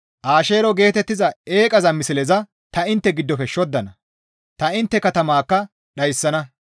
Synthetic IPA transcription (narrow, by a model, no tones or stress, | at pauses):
ʔaːʃeːɾɔɡe̞ːt̪ɛt̪ːɪzɐe̞ːkʼɐzɐmɪsɪlɛzɐ | t̪ɐɪnt̪ːɛɡɪd̪ːɔfɛʃːɔd̪ːɐnɐ | t̪ɐɪnt̪ːɛkɐt̪ɐmaːkːɐ | ɗɐjsːɐnɐ